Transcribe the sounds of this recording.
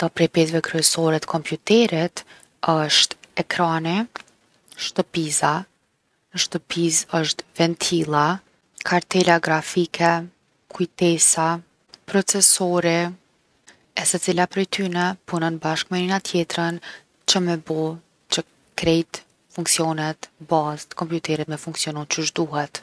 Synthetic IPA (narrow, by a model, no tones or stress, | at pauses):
d̪apɾɛpɛt̪vɛkɾyɛsɔɾɛt̪ə̥kʰɔmpjut̪ɛɾit̪ | əʃt̪ɛkɾani | ʃt̪əpiza | əʃt̪əpizəʃt̪vɛnt̪ʰilˠa | kʰaɾt̪ɛlaɡɾafikʰɛ | kʰujt̪ɛsa | pɾɔt͡sɛsɔɾi | ɛsɛt͡silapɾɛjt̪ʰynɛpunɔnbaʃkmɛninat̪ʰjɛt̪ɾən | t͡ʃəmɛbɔ | t͡ʃə | kɾɛjt̪ | fuŋksiɔnɛt̪bazt̪kɔmpjut̪ɛɾɛt̪mɛfuŋksiɔnunt͡ʃəʒd̪uɦɛt̪